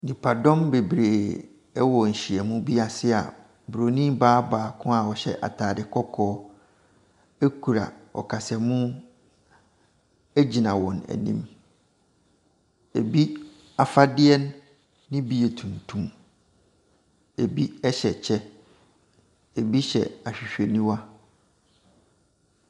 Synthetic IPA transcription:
nĩ˨pʰa˨dɔ̃˦mbe˨bɾeː˨ | ɛ˦wɔ˨n̩˨ɕi˨ɛ˨mũ˦bi˦a˨sɪ˦a̰˨ | bu˨ɾo˨nĩ˦baː˦baː˨kʰʊ̃˦a˨wɔ˨ɕɛ̰˦ʔa̰˨tʰaː˨dɪ˦kʰɔ˦kʰɔː˦ | e˦kʰu˨ɾa̰˨ɔ̰˨kʰa˨sɛ˨mũ˦ | æ˦d͡ʑi˨nã˨wɔ̃˨næ̰˨nḭ̃˦m | e˨bi˦ | a˨fa˦dɪ˦ɛ˦nː | ɪ̃˦bi˨e˨tʰũ˨ntʰũ˨m | e˨bi˦ɛ˦ɕɛ˨t͡ɕʰɛ˦ | e˨bi˦ɕɛ̰˨a˨ɕᶣi˨ɕᶣe˨nĩ˦wa˦

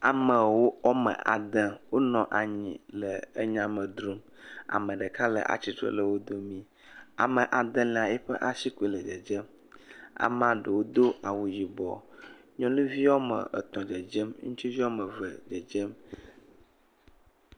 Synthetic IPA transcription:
a˨mə˨wo˦ɔ˦mə̰̃˨ʔa̰˨d̪ə̃˦wo˦nɔ̃˨ʔa˨ɲḭ̃˨lə˨ə˦ɲã˨mə̃˨d̪ɾu˦m | a̰˨mə̃˨ɖə˨ka˦lə̰˨ʔa̰˨t͡ɕi˦t̪ɾɔ̰˦˨lə˦˨wo˦d̪o˦mĩ˦ | a̰˨mə˨ʔa˨d̪ə̃˦lẽ˨a˨ɛ˦ɸə˦ʔa˨si˦ku˦i˨lə˨d͡ʒə˨d͡ʒə˦m | a̰˨m˦ã˨ɖə˨wo˦d̪o˦a˨wu˨ji˨bɔ̰˨ | ɲɔ̃˦nũ˦vi˦wɔ˦mə̰̃˨ə̰˨t̪ɔ̃˨d͡ʒə˨d͡ʒə˦mŋũ˦t͡ʃi˦vi˦ɔ˦mə˨və˨d͡ʒə˨d͡ʒə˦m

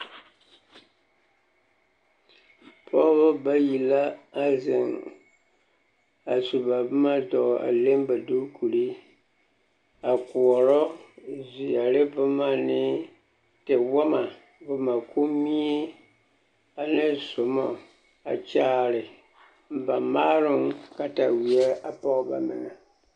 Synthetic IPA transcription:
pʰɔ˦bʊ˦ba˦ji˨la˦a˦zɪ˨ŋ | a˨su˨ba˨bʊ˦ma˦dɔ˨a̰˨le˦mba˨du˦ɾkʰu˨ɾi˦ | a˨ku˨ɔ˨ɾɔ˦zi˨ja˨lɪ˦bʊ˦ma˦nɪ˦ | tɪ˨wa˦ma˨ | bʊ˨ma˨kʰo˦mi˦e˦ | a˨nɨ˦sʊ˨mɔ˨ | a̰˨t͡ʃaː˦ɾɪ˨ | m˨ba˨maː˦ɾʊ˦ŋka˨ta˨wi˨ɛ˦a˦pɔ˦ʔba̰˨mɪ̰˨ŋa˨

